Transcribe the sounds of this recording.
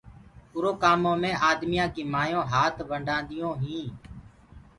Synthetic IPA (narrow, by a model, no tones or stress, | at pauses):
pʊɾoːkaːmõːmẽːʔaːd̪mɪjãːkĩːmaːjõːɦaːt̪ʰʋəɳɖãːnd̪ɪjõːɦĩː